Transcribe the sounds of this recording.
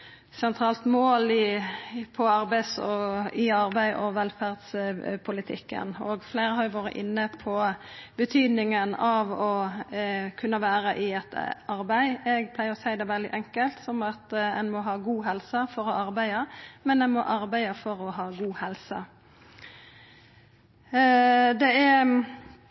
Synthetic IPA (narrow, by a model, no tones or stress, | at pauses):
sɛnt̪ʰʁɑːlt̪moːlɪpʰɔɑɾbæɪsɔɪɑʁbæɪʔɔʋɛlfæʁd̪spʰʊlɪt̪ʰɪ̰kːə̰noːɡfleɪɾəhɑɾjʊʋoːɾə̰ʔɪnːəpʰɔbət̪ʰyːd̪nɪŋənɑʋɔ | kʰʉnːəʋæːɾəʔɪɛt̪ɑɾbæɪɛɡpʰlæɪəʁɔsæɪd̪ɛʋɛld̪ɪ̰ʔɛŋkəlt̪sɔmɑt̪ɛnmɔɦɑːɡuːɦɛlsəfɔɾɔɑɾbæɪəmɛnɛnmɔ̰ʔɑɾbæɪəfɔɾɔɦɑːɡuːhɛlsə̰ | d̪ɛæ